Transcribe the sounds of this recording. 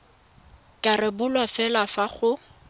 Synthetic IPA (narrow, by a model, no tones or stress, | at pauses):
kʼarɪbʊlwafɛlafaχʊ